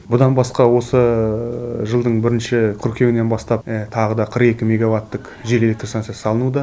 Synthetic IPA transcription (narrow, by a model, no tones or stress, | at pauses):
bʊd̪ɑnbɑsqɑwo̞sə | ʒəlˠd̪əɴbɪɾɪnʃɪkʲʰʏɾkʲe̞wɪne̞nbɑst̪ɑp̚t̪ʰɑʁəd̪ɑqʰəɾqe̞kʲɪmʲe̞ɡavat̪ːəq | ʒe̞ɾeɪk̚t̪ɪsansiasɑlˠənud̪ə